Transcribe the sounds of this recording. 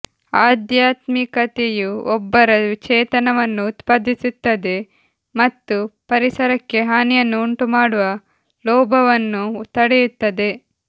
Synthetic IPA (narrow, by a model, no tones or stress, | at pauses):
aːd̪jaːt̪mikɐt̪ejuɔbːɐɾɐʋt͡ʃɛːt̪ɐnɐʋɐnːuːt̪paːd̪ʱːisit̪ːɐd̪e̞ | mɐt̪ːupɐɾisɐɾɐkːe̞ɦaːnijɐnːuːɳʈumaːɽuʋɐ | lɔːbʱɐʋɐnːut̪ɐɽejut̪ːɐd̪e̞